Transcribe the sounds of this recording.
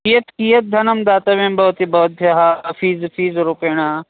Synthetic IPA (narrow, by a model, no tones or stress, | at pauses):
kijɐt̪kijɐt̪̚d̪ʱɐnɐmd̪aːt̪ɐʋẽːmbɐɦt̪ibɐɦt̪̚bʱjɐɦafiːzfʰiːzɾupeːɽ̃aː